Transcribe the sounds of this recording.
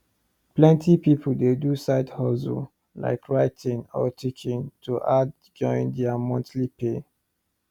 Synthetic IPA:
plɛ̃ntipipʰoldedusaɪthɔzṵ | la̰ɪkʰɹaɪtʰĩŋɔ̰tʰikʰĩntʰuʔad | d͡ʒɔ̃ɪ̃ndɛamɔ̃ntlipe

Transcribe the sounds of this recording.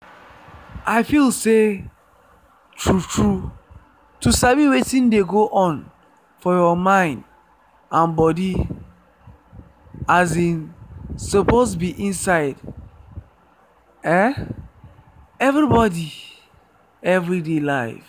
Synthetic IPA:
ʔaɪfilse | tʰɹutʰɹu | tusaviwetĩndeɡoʔɔ̃n | fɔjɔmãɪ̃nd | ãnbɔdi | azĩnsopoztbiʔĩnsaɪd | ɛ | ɛvɹibɔdi | ɛvɹidelaɪf

